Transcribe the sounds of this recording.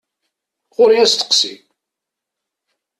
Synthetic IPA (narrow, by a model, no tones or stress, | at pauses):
ʁʊɾiæst̪ə̥qsḭm